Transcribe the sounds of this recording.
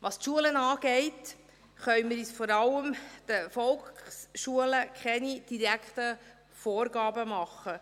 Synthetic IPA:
ʋɑstʃuələnɑːɡ̥ɛɪt | χœʏməɾiːsfɔɾɑləmd̥əfɔlkχsʃuələkʰχɛnid̥iɾæktə | fɔːɾɡɑːbəmɑχːə

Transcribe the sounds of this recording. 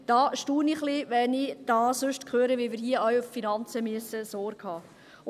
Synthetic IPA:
d̥ɑːʃtuːniχliʋɛnid̥ɑːsøʃtkχøːɾəʋimɪːɾɦiəœwʊffinɑnt͡səmyəsəsoːɾkhɑː

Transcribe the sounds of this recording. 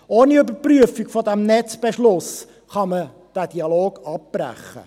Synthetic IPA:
oːniybəɾpryəfiɡfɔdæmnɛt͡sb̥eʃlʊs | χɑmə | d̥æːd̥iɑloːɡ̥ɑp̚b̥ɾæ̰χːə̰

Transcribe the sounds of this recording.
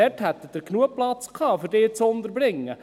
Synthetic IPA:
ɛthɛt̪ːəd̥̪əɾknuəplɑt͡skʰɑːfʏɾdeːt͡sond̪əɾbɾɪŋːə

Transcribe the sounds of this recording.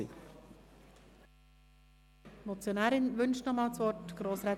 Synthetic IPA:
ḭ | mɔt͡sjonæːɾɪnʋʏnʃtnɔmɑːlt͡sʋɔtɡ̥ɾoːsɾɛː

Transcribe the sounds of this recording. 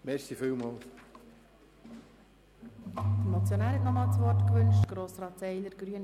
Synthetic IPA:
mɛsifywmɔːl | d̥əɾmɔt͡sjonaːɾhɛtnɔmɑːlt͡sʋɔrtkʋʏnʃtɡ̥ɾoːsrɑːtsɛɪləɾɡɾyən

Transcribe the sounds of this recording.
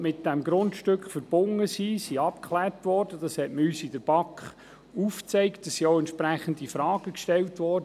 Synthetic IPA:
mɪt̚d̥ɛmɡɾʊntʃtøkχfəɾb̥ʊŋːəsisiɑpkʰχlæːrtʋɔːɾd̥əd̥ɑshɛtmyːsid̥əɾb̥ɑkχ | uft͡sɛɪktəsːioʊɛntt͡ʃpɾæχəndifɾɑːɡ̥əkʃtɛltʋɔːɾdə

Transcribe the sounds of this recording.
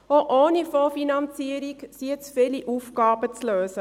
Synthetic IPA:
oʔoːnifoːfinɑnt͡siəɾiksiət͡sfɪliʔuːfɡɑːb̥ət͡sløːsə

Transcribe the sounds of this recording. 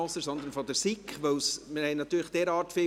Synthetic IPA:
ɔsəɾsɔnd̪əɾnfɔd̪əɾsikχʋœwsmɪhɛɪnɑt̪yːɾəχd̥ɛːɾɑːɾtfɪ

